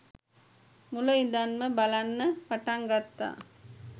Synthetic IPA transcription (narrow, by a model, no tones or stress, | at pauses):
mulɐind̪anməbalanːəpaʈaŋɡat̪ːa̰ː